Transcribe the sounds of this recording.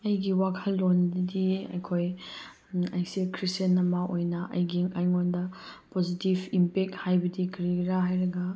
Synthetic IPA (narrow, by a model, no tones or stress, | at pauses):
ɐjɡiwakʰɐlːondɐdiɐ̰jkʰoj | a̰jsikʰɾisenːɐmɐʔojnɐʔɐ̰jɡiŋajŋondɐpozitibimpek̚thajbɐdikɐɾiɾaɦajɾɐɡɐ